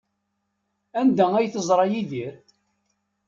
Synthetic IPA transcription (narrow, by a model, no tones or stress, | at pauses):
ænd̪ææjθəzˤɾˤɑjiðiɾ